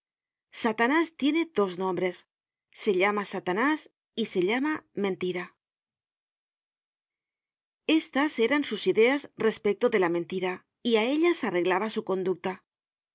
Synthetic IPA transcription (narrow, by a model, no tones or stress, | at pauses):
sat̪anast̪je̞ne̞ðo̞znõ̞mbɾe̞sː | e̞ʎamasat̪anas | ise̞ʎamamẽ̞nt̪iɾa | e̞st̪ase̞ɾansusiðe̞azre̞spek̚t̪oðe̞lament̪iɾa | iae̞ʎasare̞ɣlaβasuko̞nd̪uk̚t̪a